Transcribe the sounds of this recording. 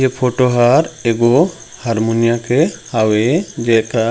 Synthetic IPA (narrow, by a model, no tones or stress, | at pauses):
epʰoʈoɦaɾeɡo | haɾmunijakehawed͡ʒɛka